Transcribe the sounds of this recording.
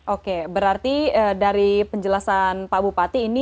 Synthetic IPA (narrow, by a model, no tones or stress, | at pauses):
ʔokebəɾart̪iədaɾipəɲd͡ʒəlasanpabupat̪iːni